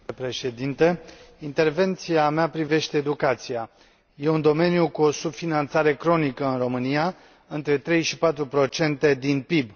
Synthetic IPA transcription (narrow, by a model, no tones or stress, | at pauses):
pɾe̞ʃe̞d̪int̪əint̪e̞rve̞nt̪siameapɾive̞ʃt̪e̞ːd̪ukat̪sija | je̞und̪o̞me̞nijukuo̞subfinant̪saɾe̞kɾo̞nikəɨnro̞mɨnija | ɨnt̪ɾe̞t̪ɾe̞jʃipat̪ɾupɾo̞t͡ʃe̞nt̪e̞d̪inpib